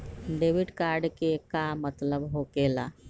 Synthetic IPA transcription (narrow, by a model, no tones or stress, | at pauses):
ɖeːʋɪɖkaːɾɖkekamət̪ləbɦokeːlaː